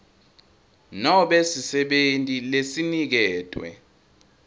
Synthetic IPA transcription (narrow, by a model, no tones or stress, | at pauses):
nɔɓesisɛɓentʼilesinik̬ɛːtʼwɛ̰